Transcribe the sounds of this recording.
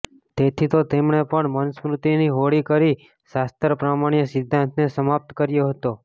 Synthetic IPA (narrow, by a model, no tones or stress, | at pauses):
t̪et̪ʰit̪ot̪emɳepəɳmənsmɾut̪iniɦoɽikəɾi | ʃast̪əɾpɾamaɳjəsɪd̪ʱːãnt̪nesəmap̚t̪kəɾjoɦət̪o